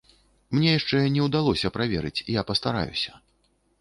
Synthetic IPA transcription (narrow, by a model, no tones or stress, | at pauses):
mnʲɛjaʂt͡ʂɛnʲɛwd̪alˠɔsʲɐpɾavʲɛ̰ɾɨt͡sʲijapɐst̪aɾa̰jṵsʲɐ̥